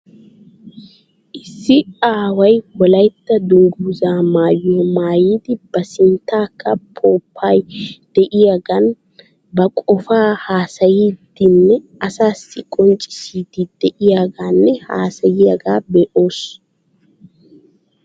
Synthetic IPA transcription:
ʔɪsːɪaːwɐjwɔlɐjt̪ːɐd̪ʊŋɡuːzaːmaːjːomaːjiːd̪ɪb̥ɐsɪnt̪ːaːkːɐpʰoːpʰːaːjd̪̥ɛʔɪjaɡɐn | bɐkʼɔfaːhaːsɐjiːd̪ɪnːɛʔɐsaːsːɪkʼɔnt͡ʃʼɪ̥siːd̪ɪd̪̥ɛʔɪjaɡanːɛha̰ːsɐjɪjɐɡaːbeːʔo̞ːs

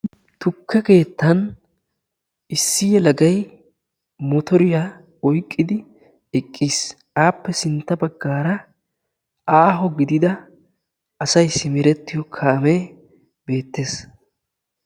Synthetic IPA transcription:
t̪ʊkʰːɛke̞ːt̪ːɐn | ɪsːɪjɛlɐɡɐj | mɔt̪ɔɾɪja | ɔjkʼːɪd̪ɪ | ɛkʼːiːs | aːpːɛsɪnt̪ːɐbɐɡːaːɾɐ | ʔaːɦɔɡɪd̪ɪd̪ɐ | ɐsɐjsɪmɪɾɛt̪ːɪjɔkʰaːme | be̞ːt̪ːe̞ːs

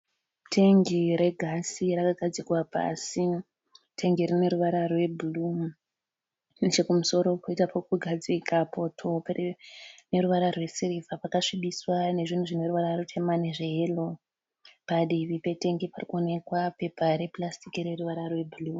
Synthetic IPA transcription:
tʰe̞ŋɡiɾe̞ɡʱasiɾakaɡʱad͡zikwapa̰si | tʰe̞ŋɡiɾine̞ɾuʋaɾarwe̞bʱulu | nit͡ʃekumuso̞ɾo̞koitapokuɡʱad͡ziikʰapo̞tʰo̞pene̞ɾuʋaɾarwe̞siɾifapakaʂiɓiswane̞ʐin̤uʐine̞ɾuʋaɾarutʰe̞maneʐeɦelo̞ | paɗiʋipe̞te̞ŋɡiparikuone̞kwape̞paɾe̞plastikiɾeruʋaɾarwe̞bʱuluː

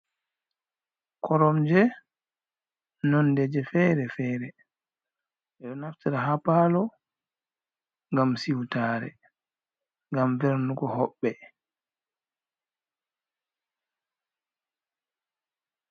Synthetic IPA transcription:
kʰɔɾɔmd͡ʒɛ | nɔndɛd͡ʒɛfɛɾɛfɛːɾɛ | ʔɛɗɔnaftiɾaɦapaːlɔ | ŋɡamsiwtaːɾɛ̰ | ŋɡamvɛɾnuɡɔɦɔɓːɛ

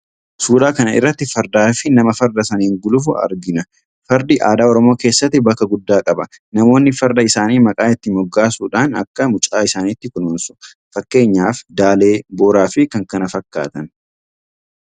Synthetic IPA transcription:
suːɾaːkɐnɐɪ̰rːɐt̪ːɪfɐɾd̪aːfɪnɐmɐfɐɾd̪ɐsɐnɪŋɡʊlʊfʊʔɐ̰ɾɡɪnɐ | fɐɾd̪iʔa̰ːd̪aːɔɾɔmo̞ːkeːsːɐt̪ːɪbɐkːɐɡʊd̪ːaːkʼɐbɐ | nɐmo̞ːnːɪfɐɾd̪ɐɪsaːniːmɐkʼaːɪt̪ːɪmɔɡːaːsuːᶑaːnɐ̰kːɐmʊt͡ʃʼaːɪsaːniːt̪ːɪkʊnuːnsʊ̥ | fɐkːe̞ːɲːaːfd̪aːle̞ːboːɾaːfɪkɐŋkɐnɐfɐkːa̰ːt̪ɐn

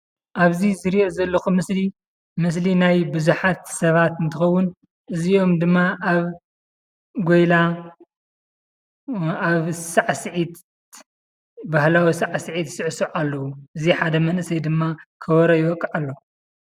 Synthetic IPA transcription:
ʔaβzizɨɾiʔozɐlːɐxumɨsli | mɨs̬linajbɨzuħat̪sɐβat̪ɨnt̪ʰɨxɐwːʊn | ʔɨzio̞md̪ɨmːaʔaβ | ɡojla | aβsaʕsɨʕit̪ | bahlawisaʕsɨʕit̪sɨʕsuʕalːɐwuʔɨziħad̪ɐmɐnʔɨsɐjd̪ɨmːakʰɐwɐɾɐjwɔkʼːɐʕalːɐ

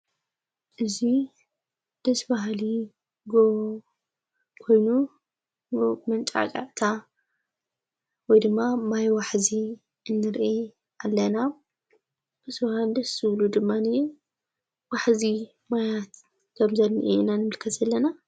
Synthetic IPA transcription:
ʔɨzi | d̪̥ɐsbaɦli | ɡo | kʰo̞jnu | mɐnt͡ʃʼa̰kʼa̰ʕt̪ʰa | wɔjd̪ɨmːamajwaħzi | ʔɨnːɨɾʔe | alːɐna | b̥ɐsbahald̪ɐsːɨβlud̪ɨmːanɨ | waħzi | majat̪ | kʰɐmzɐnːiʔenanɨmɨlkʰɐt̪ɐlːɐna

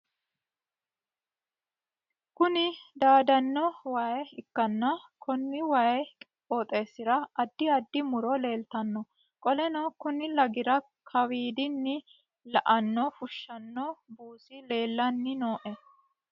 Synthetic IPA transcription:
kʊnɪd̪aːd̪ɐnːɔwaːjɪkːɐnːɐkʰɔnːɪwaːjʼ | oːt̪ʼe̞ːsɪɾɐɐd̪ːɪɐd̪ːɪmʊɾɔle̞ːlt̪ɐnːɔ | kʼɔlɛnɐwkʊnɪlɐɡɪɾɐ | kʰɐwiːd̪ɪnːɪ | lɐʔɐnːɔfʊʃːɐnːɔbuːsɪle̞ːlːɐnːɪno̞ːʔɛ

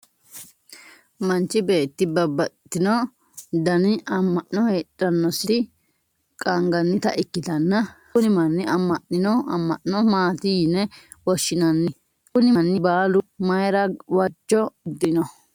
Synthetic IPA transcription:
mɐnt͡ʃːɪbe̞ːt̪ːɪbɐbːɐtt̪ːɪnɔ | d̪ɐnɪɐmːɐʔnɔheːᶑʼɐnːɔsɪɪ | kʼɐŋɡɐnːɪt̪ɐ̰ʔɪkːɪt̪ɐnːɐ | ʊnɪmɐnːɪɐmːɐʔɪnɔɐ̰mːɐʔnɔmaːt̪ɪjɪnɛ | wɔʃːɪnɐnːɪ | kʊnɪɐnːɪbaːlʊmɐjɾɐwɐt͡ʃːɔd̪ɪnɔ

